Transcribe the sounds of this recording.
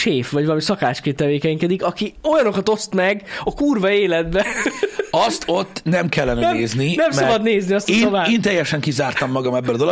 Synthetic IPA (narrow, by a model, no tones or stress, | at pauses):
ʃeːfʋɒɟʋɒlɒmisɒkaːt͡ʃkeːnt̪ːɛʋeːkɛɲkɛd̪ikɒkio̞jɒno̞kɒt̪o̞st̪mɛɡɒkuːrvɒeːlɛd̪̚bɛ | ɒst̪o̞t̪ːnɛmkɛlːɛnɛɛeːzninɛmsɒbɒd̪neːzniɒst̪ːsobaːeːnt̪ɛjɛʃɛŋkizaːrt̪ɒmːɒɡɒmɛbːɛlɒd̪o̞lo